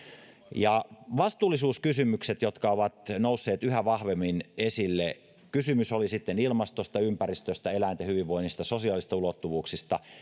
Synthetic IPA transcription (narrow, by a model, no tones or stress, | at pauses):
jɑʋɑst̪ˑuːlːˑisuːskysymykset̪jot̪kɑoʋɑt̪nousːeːt̪yhæʋɑhʋemːinesilːe | kysymysolisit̪ːenilmɑst̪ost̪ɑympærist̪øst̪æelænt̪ehyʋiʋʋoinːist̪ɑsosiɑˑlist̪ɑulot̪ːuʋuːksist̪ɑ̰